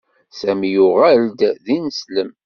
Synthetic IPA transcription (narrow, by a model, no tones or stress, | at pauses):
sæmjʊʁæld̪ðinəsləm